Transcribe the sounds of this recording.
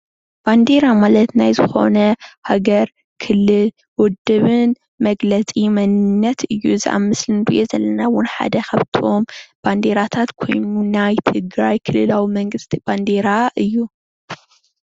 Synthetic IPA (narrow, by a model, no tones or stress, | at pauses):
b̥and̪e̞ɾamalɐt̪najzɨxo̞̰nɐhaɡɐɾ | kʰɨlːɨl | wɔd̪ɨβɨn | mɐɡlɐt͡sʼimɐnɨnːɐt̪ʰɨjːuzɨʔa̰mɨslɨnɾḭʔezɐlːɐnawʊnħa̰d̪ɐkʰɐβt̪ʰiʔo̞mb̥and̪e̞ɾat̪ʰat̪kʰo̞̰jnunajt̪ʰɨɡɾajkʰɨlɨlawimɐŋɡɨst̪ʰib̥and̪e̞ɾaʔɨjːu